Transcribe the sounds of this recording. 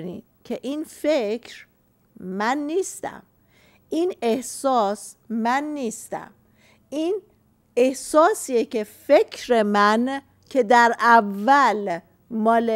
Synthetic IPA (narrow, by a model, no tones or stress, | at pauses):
nḭ̥ | cʰeʔiːnfecʰɾ | mænːiːst̪æ̰m | ʔiːne̞hsɒːsmænːiːst̪æ̰m | in | e̞hsɒːsiːjekʰe̞fe̞kʰɾemæn | kʰe̞d̪æɾʔævːæl | mɒːle